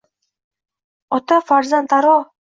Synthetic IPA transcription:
ɔt̪ɔfaɾzant̪aɾɔ

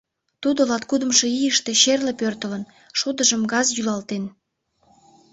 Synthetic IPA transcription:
t̪ud̪olɑt̪̚kud̪əmʃe̽ijəʃt̪eʃerlepørt̪ələn | ʃod̪əʒəmɡɑzjylɑlt̪en

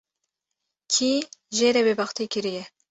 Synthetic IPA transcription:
kʰiːʒeːɾɛbebɑxt̪ʰekʰɨɾijɛ

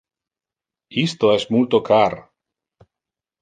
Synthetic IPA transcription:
ist̪oesmult̪okʰaɾ

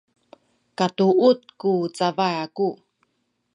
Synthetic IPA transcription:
katuʔut̚kut͡savajaku

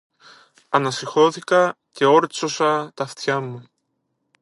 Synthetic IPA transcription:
ɐnɐsixo̞θikɐce̞o̞ɾt͡so̞sɐt̪ɐft̪çɐmu

